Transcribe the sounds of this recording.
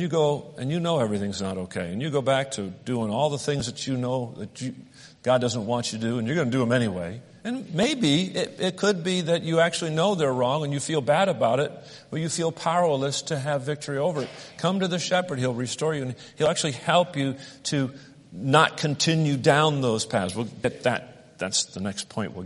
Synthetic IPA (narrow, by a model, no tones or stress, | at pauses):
n̩jɨɡoʊɨ̃njɨnoʊɛvɹiθɪ̃ŋznəɾoʊkʰeɪɨ̃njɨɡoʊbæk̚tʰɨdʉɪ̃ŋɔlˠðəθɪ̃ŋzðɨt͡ʃɨnoʊðɨ̰t͡ʃɨ | ɡ̥ɑdʌzə̃n̩ʔwɑ̃nt͡ʃɨdɨɨ̃njə˞ɡʌnɨdɨə̃mɛñiwḛɪ | ɨ̃nmeɪbiɪɾɪt̚kʰɨd̚biðɨt͡ʃɨæk̚t͡ʃʉl̩ˠinoʊðə˞ɹɔ̃ŋɨ̃njɨfilˠbæɾɨbaʊɾɪt̚ | b̥əjɨfilˠpʰal̩ˠəstʰɨːvɪk̚tʰə˞ioʊvə˞ɨt̚kʰʌ̃mtɨðɨʃɛpə˞d̚ilˠɹistɔɹjɨɨ̃n | hilˠæk̚t͡ʃʉl̩ˠihɛlˠpjɨɾɨ | nət̚kʰɨ̃ntʰɪ̃njʉdãʊ̃nðoʊz̥pʰæzwɨlˠɡɛt̪̚ðɨ̰t̪̚ | ðæ̰tsðənɛkspʰɔ̃ɪ̃nʔwə̰